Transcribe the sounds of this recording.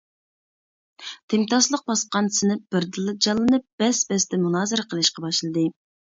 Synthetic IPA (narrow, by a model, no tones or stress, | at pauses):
t̪ʰɪmt̪ʰɑslˠəq̚bɑsqɑnsɪnɪp̚b̥ɪɾd̪ɨlˠːɨd͡ʒɑlˠːɨnɨp̚b̥ɛsbɛst̪ɛmunɑːzɨɾqʰəlˠɨʃqɑbɑʃlˠɨd̪ɨ